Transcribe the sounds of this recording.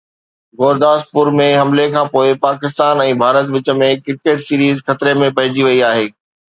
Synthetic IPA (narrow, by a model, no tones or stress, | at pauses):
ɣoːɾd̪aːs̚pʊɾmẽɦɐmlekʰãːpoːɪpaːkɪst̪aːnɛ̃ːbʱaːɾət̪ʋɪt͡ɕə̆mẽkɪɾkeːʈsiːɾiːzxɐt̪ɾemẽpɐɦɪ̃d͡ʑiʋɐiaːɦeː